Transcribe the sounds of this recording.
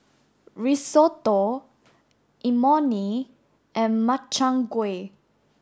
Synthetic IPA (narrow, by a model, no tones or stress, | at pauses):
ɹisot̪o | ʔimɔni | ʔɛ̃nmat͡ʃãŋɡwe